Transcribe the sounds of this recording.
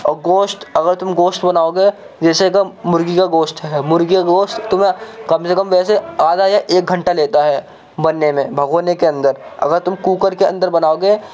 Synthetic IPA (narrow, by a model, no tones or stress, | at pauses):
ɔːɡoːsʈɐɡəɾt̪ʊmɡoːsʈbɐnaːoɡeː | d͡ʒɛːsekamʊɾɡikaɡoːsʈɦɛmʊɾɡikaɡoːsʈt̪ʊmɦẽkɐmsekɐmʋɛːseaːd̪ʱajaʔeːk̚ɡʱɐ̃ɳʈaleːt̪aɦɛː | bɐnːemẽbʱɐɡoːnekeɐ̃nd̪əɾɐ̰ɡəɾt̪ʊmkuːkəɾkeɐ̰̃nd̪əɾbɐnaːoɡeː